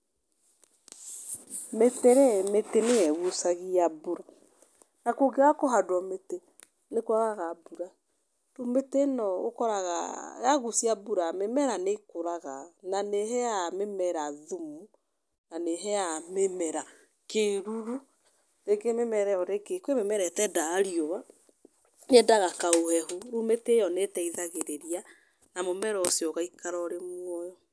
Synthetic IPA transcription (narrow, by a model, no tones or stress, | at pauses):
meteɾɛmeteneɛɣusaɣiabuɾa | nakoɡeakoɦadwɔmete | nekoɾaɣaɣabuɾa | tometenɔo̰kɔɾaɣa̰jaɣusiabuɾamemɛɾanekoɾaɣananeɦɛjamemɛɾaðumu | naneɦɛjamemɛɾa | keɾuɾu | ɾekememɛɾɛɔɾekekwememɛɾɛtɛdaːɾioβa | nedaɣakaohɛɦuɾumetejɔnetɛiðaɣeɾeɾia | namomɛɾɔsjɔɣaikaɾɔɾemwɔjɔ